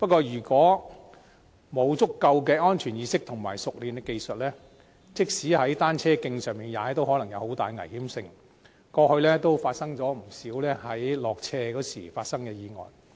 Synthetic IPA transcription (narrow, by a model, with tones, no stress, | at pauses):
pɐ˥t̚kːɔː˧jyː˨˩kɔː˨˥ | mo˨˧wt͡sʊ˥kːɐ˧wkɛː˧ɔː˥nt͡ʃʰyː˨˩njiː˨˧sɪ˥k̚t̪ʰʊ˨˩ŋmaː˨˩jsʊ˨k̚liː˨˩nt̪ɪ˧ke˧jsɐ˨t̚lɛː˥ | t͡sɪ˥k̚siː˨˥hɐ˨˥jt̪aː˥nt͡sʰɛː˥kɪ˧ŋsœː˨˧ŋmiː˨˩njaː˨˧ɛ˥t̪o˥whɔ˨˥lɐ˨˩ŋjɐ˨˧who˨˥wt̪a̰ː˨jŋɐ̰˨˩jhiː˨˥msɪ˧ŋ | kɔː˧hɵ˧ɥlɛː˥t̪o˥wfaː˧t̚sɐ˥ŋt͡sɔː˨˥m̩˨˩siː˨˥wlɛː˥hɐ˨˥jlɔː˨k̚t͡sʰɛː˧kɔː˨˥siː˨˩faː˧t̚sɐ˥ŋkɛ˧jiː˨˧ŋɔ̰ː˨j